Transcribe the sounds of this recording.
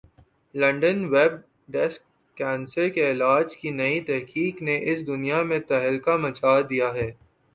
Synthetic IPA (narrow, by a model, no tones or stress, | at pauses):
lɐ̃ɳɖənʋɛb̚ | ɖɛskː | ɛ̃ːnsəɾkeɪlaːd͡ʒkinɐit̪ɛɦkiːkneʔɪsd̪ʊnijamẽt̪ɐɦəlkamɐt͡ʃaːd̪ijaɦɛː